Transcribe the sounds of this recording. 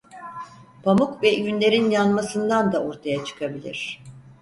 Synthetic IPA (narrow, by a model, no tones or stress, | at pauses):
pʰamukvɛjynlʲe̞ɾinjanmasɯnd̪and̪ao̞ɾt̪ʰajat͡ʃʰɯ̥kʰabilʲḭɾ̥